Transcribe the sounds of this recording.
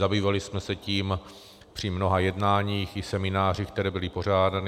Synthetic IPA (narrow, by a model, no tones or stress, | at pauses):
zabiːvalɪsmɛsɛciːm | pr̥ɪmno̞ɦajɛdnaːɲiːxɪsɛmɪnaːr̝ikt̪ɛɾɛːbɪlɪpo̞r̝aːdanɪ